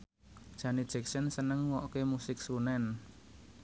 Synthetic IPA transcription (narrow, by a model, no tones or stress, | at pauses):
d̥ʒ̥a̤nid̥ʒ̥ɛ̤k̚sənsənəŋwɔʔkemusɪksunɛn